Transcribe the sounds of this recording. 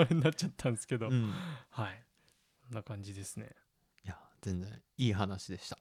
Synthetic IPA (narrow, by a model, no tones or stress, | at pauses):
aɾeɲinatːt͡ɕat̪ʰːãnesɨ̥ke̞d̪õ̞hai | sõnːakãɲ̟d͡ʑid̪e̞sɨne̞̰ | jaz̥ẽ̞nd͡zẽ̞iːɦanaɕid̪e̞ɕi̥t̪ḁ